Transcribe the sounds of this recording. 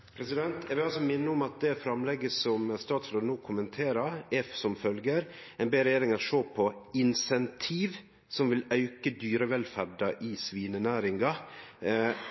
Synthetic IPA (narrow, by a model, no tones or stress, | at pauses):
pʰɾɛsɪd̪ɛnt̪ʰjɛʋɪlɑlsɔmɪnːəʊmɑt̪̚d̪ɛfɾɑmlɛɡəsɔmst̪ɑːt̪sɾənoːkʰʊmənt̪ʰeːɾɑɛsɔmfœlɡəɾ | ɛnbeːɾɛjeːɾɪŋɑt̪ʂoːpʰɔɪnsɛnt̪ʰiːʋ | sɔmʋɪlœʉkəd̪yːɾəʋɛlfæɖɑʔɪsʋiːnənæːɾɪŋɡɑ